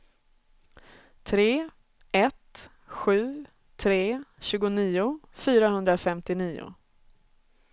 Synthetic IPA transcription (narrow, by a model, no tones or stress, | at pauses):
t̪ʰɾeː | ɛt̪ | ɧʉ̟ː | t̪ʰɾeːɕʉ̟ːɡʊniːʊfyːɾaɦɵnd̪ɾafɛmt̪ɪniːʊ̰